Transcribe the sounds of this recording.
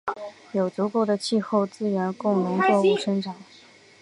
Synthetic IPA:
jo˨˩ʊt͡su˧˥ko˧˥ʊd̪ə˧t͡ɕʰi˥˧xo˥˧ʊt͡sɹ̩˥ɥɛ˧˥nkʊ˥˩ŋnʊ˧˥ŋt͡swɔ˥˧u˥˩ʂə˥ŋʈ͡ʂʰa˨˩˦

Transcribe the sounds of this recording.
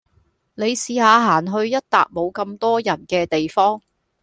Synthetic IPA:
ne˨˧jsiː˨˧haː˨˧ɦaː˨˩nɦɵ˧ɥjɐ˥t̚t̪a̰ː˨k̚mo˨˧wkɐ˧mt̪ɔː˥jɐ˨˩nkɛː˧t̪e˨jfɔː˥ŋ

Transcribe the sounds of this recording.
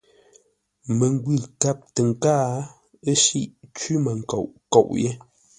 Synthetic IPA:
mə˨ŋ˦ɡwi˦˨lta˦p̚tə˨ŋ̩˨kaː˦ | ə˦ʃi˦ʔt͡ʃi˦mə˨ŋ̩˨ko̰˨ʔko̰˨ʔje˦

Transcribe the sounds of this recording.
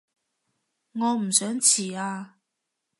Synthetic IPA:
ŋɔ˨˧m̩˨˩sœ˨˥ŋt͡ɕʰi˨˩a˧

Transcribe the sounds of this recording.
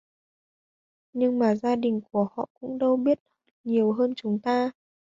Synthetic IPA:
ɲɨ˧ŋmaː˨˩zaː˧ɗï˨˩ŋ̟ku˧˩əhɔ̰˧˨kʊ̰˧˥ŋ͡mɗə˧wɓi˦˥ət̚hə˦˥t̚ɲi˨˩əwɦəː˧nt͡ɕʊ˨˦ŋ͡mt̪aː˧

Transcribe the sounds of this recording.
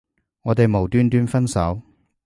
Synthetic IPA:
ŋɔː˨˧t̪e˨jmo˨˩wt̪yː˥nt̪yː˥nfɐ˥nsɐ̰˨˥w

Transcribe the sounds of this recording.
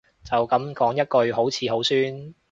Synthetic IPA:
t͡sɐ˨wkɐ˨˥mkɔː˨˥ŋjɐ˥t̚kɵ˧ɥɦo˨˥wt͡sʰiː˨˧ɦo˨˥wsyː˥n

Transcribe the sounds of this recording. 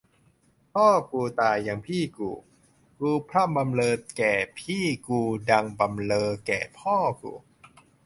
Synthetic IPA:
pʰɔː˥˩kuː˨˩t̪aː˨˩jːa˧ŋpʰiː˥˩kṵː˨˩ | kuː˧pʰɾa˥˩mba˧mlɤː˧kɛː˨˩pʰiː˥˩kuː˧da˧ŋba˧mlɤː˧kɛː˨˩pʰɔː˥˩kṵː˨˩

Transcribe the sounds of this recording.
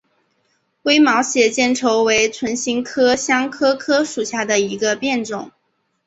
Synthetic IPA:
kwe˥ɪmɑ˧˥ʊɕjɛ˨˩t͡ɕjɛ˥˩nʈ͡ʂʰo˧˥ʊwe˧˥ɪt͡sʰwə˧˥nɕi˧˥ŋkʰɤ˥ɕjɑ˥ŋkʰɤ˥kʰɤ˥ʂu˨˩ɕja˥˩d̪ə˩i˧˥ɡə˧pjɛ˥˩nʈ͡ʂʊ˨˩˦ŋ

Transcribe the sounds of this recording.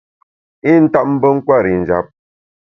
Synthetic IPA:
i˦n̩˦ta˦ʔ̚m̩˦bə˦ŋ̩˦kwa˦˨ɾi˨n̩˨d͡ʒa̰˨˦p̚

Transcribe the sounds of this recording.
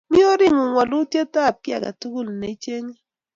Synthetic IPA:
mɪ˦o˦ɾɪ˦ŋu˨ŋwɔ˨lʊ˦tje˦ta˦˨p̚kɪ˦a̰˨ka̰˨tu˦ku˦˨lne˨i˦t͡ʃe˦ŋe˦

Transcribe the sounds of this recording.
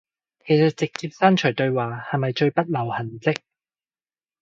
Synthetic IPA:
kʰe˨˩jsɐ˨t̚t͡sɪ˨k̚t͡siː˧p̚saː˥nt͡ʃʰɵ˨˩jt̪ɵ˧ɥwaː˨˩hɐ˨jmɐ˨jt͡ʃɵ˧ɥpɐ˥t̚lɐ˨˩whɐ˨˩nt͡sɪ˥k̚

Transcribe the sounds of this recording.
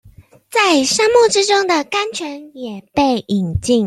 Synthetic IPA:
t͡sa˥˩ɪʂɑ˥ŋmu˥˩ʈ͡ʂɻ̩˥ʈ͡ʂʊ˥ŋd̪ə˨ka˥nt͡ɕʰɥɛ˧˥njɛ˨˩pe˥˩ɪʔi˨˩ŋt͡ɕi˥˩ŋ

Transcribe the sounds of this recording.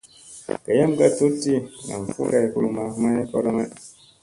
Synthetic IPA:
ka˨ja˦m˦ɡa˦˨tu˦tːi˦ŋa̰˨m˨fṵ˦ɡa˨ku˦lu˨ma˨˦ma˦je˦kɔ˦ɾɔ˦ma˦

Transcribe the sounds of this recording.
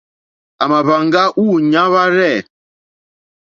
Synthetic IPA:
a˨ma˨βa˨ŋ˦ɡa˦ʔu˦ɲa˦βa˦ɾɛ˦˨

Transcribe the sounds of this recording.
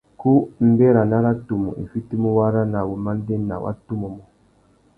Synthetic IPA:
ku˦m̩˦bɛ˦ɾa˨na˦ɾa˦tu˨mṵ˨ʔḭ˨fi˦ti˦mu˦wa˦ɾa˦na˨wu˨ma˦n˦dɛ˦nːa̰˨wʔa̰˦tu˦mu˨mɔ˨

